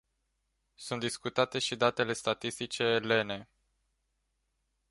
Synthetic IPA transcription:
sunt̪d̪iskut̪at̪e̞ʃid̪at̪e̞le̞st̪at̪ist̪it͡ʃe̞ːle̞ne̞

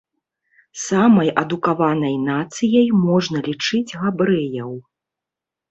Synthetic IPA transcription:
samɐjʔɐd̪ukavanɐjnat̪sɨjɐjmɔʐnɐlʲit͡ʂɨd͡zʲɣabɾɛjɐw

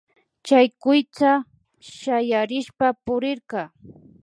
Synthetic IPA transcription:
t͡ʃajkʊjt͡sa | ʃajaɾɪʃpapʊɾɪɾqɑ

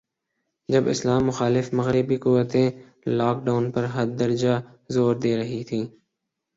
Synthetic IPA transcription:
d͡ʒɐbɪ̰slaːmːʊxaːlɪfmɐɣɾɪbikʊʋːət̪ẽ | laːk̚ɖaːʊnpəɾɦɐɾd̪əɾd͡ʒaː | zoːɾd̪eːɾɐɦit̪ʰiː

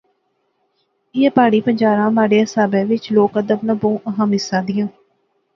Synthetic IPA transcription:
ɪɛːpaːɽiːpəɲd͡ʒaːɾãːmaːɽeːəsaːbɛːʋɪt͡ʃloːkəd̪əbnãbõːʔəɦəmɪsːãːd̪ɪ̃jãː

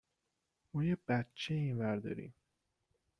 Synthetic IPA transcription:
mɒːjeb̥æt̪̚t͡ʃʰeinvæɾd̪ɒ̰ːɾḭm

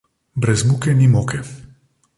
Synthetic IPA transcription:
bɾɛzmukɛnimoːkɛ

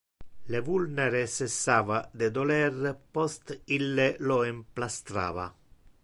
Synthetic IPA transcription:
levulneɾesesːaːvad̪ed̪olɛrpɔst̪ilːeloemplast̪ɾa̰ːva̰

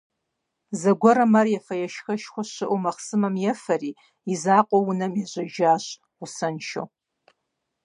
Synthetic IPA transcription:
zɐɡʷɔɾɐmɐrjɛfɐjɛʃxɐʃxʷɔɕɨʔʷumɐχsɨmɐmjɛfɐriː | izaːqʷʼowʊnɐmiʑʷɐʒaːɕʷ | ʊsɐnʃo̰w

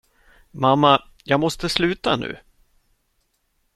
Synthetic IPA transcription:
mamːa | jɑːɡmɔst̪əslʉ̟ːt̪anʉ̟̰ː

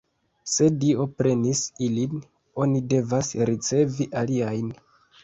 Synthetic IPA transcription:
se̞dio̞pɾe̞nisilin | o̞nide̞vasɾit͡se̞viʔaliajn

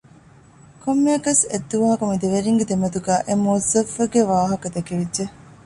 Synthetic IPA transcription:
kʰomːeɐkɐsed̪ːuʋɐːɐkɐmid̪eʋeɾiŋɡed̪emɐt̪uɡæːʔemoːzɐfɐɡeʋaːɦɐkɐd̪ekeʋidʒe

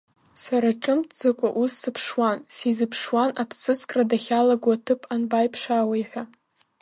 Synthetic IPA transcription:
saɾaʈ͡ʂʼɨmtʼd͡zɨkʷʼa̰ʔusːɨpʰʂwansizɨpʰʂwanapʰsɨt͡skʼradaχʲalaɡʷatʰɨpʼanbajpʰʂawajħʷᶣa

